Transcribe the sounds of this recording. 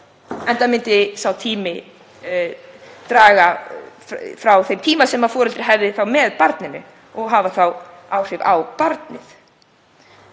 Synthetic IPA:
ɛnt̪amɪnt̪ɪsawt̪ʰiːmɪ | t̪ɾaːɣa | fɾawθejmt̪ʰiːmasɛmafɔːɾʏlt̪ɾɪ̥ɦɛvðɪθawmɛðpaɾt̪nɪnʏ̰ | ɔɣɦaːvaθaw | awr̥ɪɾawpaɾt̪nɪ̰θ

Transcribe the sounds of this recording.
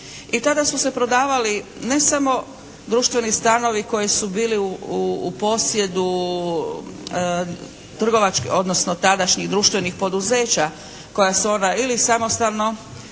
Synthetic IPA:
it̪ad̪asuse̞pɾo̞d̪aːʋaline̞samo̞ | d̪ɾuːʃt̪ʋe̞nist̪ano̞ʋiko̞jesubiːliuuːpo̞sje̞d̪u | t̪r̩ɡo̞ʋat͡ʃko̞d̪nosno̞t̪ad̪aʃɲiɣd̪ɾuʃt̪ʋe̞nixpo̞d̪uze̞ːt͡ɕa | ko̞jasuo̞nailisamo̞st̪alno̞

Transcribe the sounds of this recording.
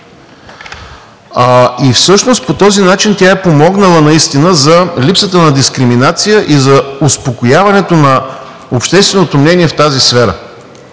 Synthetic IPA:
aifsɤʃnost̪̚pot̪ɔzinat͡ʃint̪ʲjaɛpomɔɡnəlˠənɐist̪inəzɐlipsət̪ənɐd̪iskɾiminat̪sijəʔizɐospokojavɐnɛt̪onɐ | opʃt̪ɛst̪vɛnot̪omnɛniɛft̪azisfɛɾə̰

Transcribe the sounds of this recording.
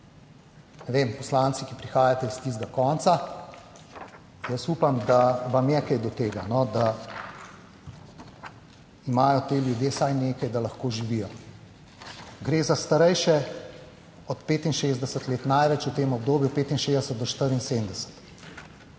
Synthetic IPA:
nɛʋeːmpɔslantsikipɾixaːjat̪ɛist̪iːzɡakɔnt̪sa | jəsuːpamd̪aʋamjɛkɛjd̪ɔt̪eːɡanɔd̪a | imaːjɔt̪eljud̪jeːsajneːkajd̪alɐxkoːʒiʋijɔ | ɡɾeːzast̪aɾɛjʃɛ | ɔt̪peːt̪inʃeːzd̪ɛsət̪leːt̪najʋɛt͡ʃut̪eːmɔbd̪oːbjupeːt̪inʃeːzd̪ɛsət̪d̪ɔʃt̪əɾinseːmd̪ɛsə̥t̪

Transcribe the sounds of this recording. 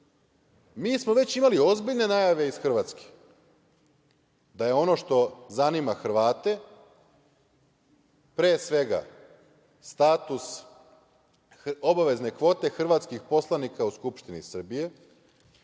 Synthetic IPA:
miːsmoʋe̞t͡ɕimalio̞zbiʎne̞najaʋe̞isxr̩ʋaːt̪ske̥ | d̪aje̞o̞no̞ʃt̪o̞zanimaxr̩ʋaːt̪e̞ | pɾeːsʋe̞ɡa̰ | st̪aːt̪us | obaʋe̞zne̞kʋo̞ːt̪e̞xr̩ʋat̪skixpo̞slˠanikauskupʃt̪inḭsr̩bije̞

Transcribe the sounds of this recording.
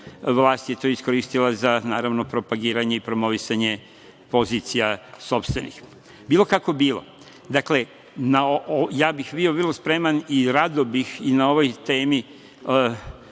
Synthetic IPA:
ʋlˠaːst̪jet̪oːisko̞ɾiːst̪ilˠazanaːɾaʋno̞pɾo̞paɡiːɾaɲeipɾo̞mo̞ʋisaɲe̞ | po̞ziːt̪sijaso̞pst̪ʋe̞nḭx | biːlˠo̞kako̞biːlo̞̰ | d̪akle̞ | naojaːbixʋioʋiɾlospɾe̞maniɾad̪obixinao̞ʋojt̪e̞ːmi

